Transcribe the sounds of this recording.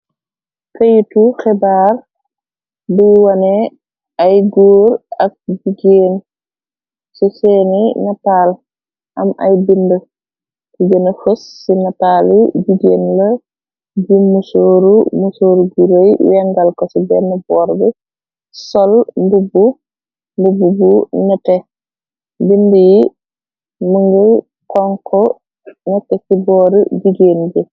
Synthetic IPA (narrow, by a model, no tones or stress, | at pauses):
kɐjtuxɛbaːr | biwɐnɛ | ɐjɡuːɾɐk̚d͡ʒiɡeːn | sisɛːninɐtaːl | ʔɐ̰mɐ̰jbində | kiɡənɐfəsːinɐtaːlid͡ʒiɡenlɐ | d͡ʒimusoːɾumusoɾuɡuɾejwɛŋɡalkɔsibɛnːɛbɔɾbɛ | sɔlmbubu | mbububunɛtɛ | bindəji | muŋɡɛ | kɔŋkʰɔ | nɛtːɛkibɔɾəd͡ʒiɡeːnd͡ʒɛ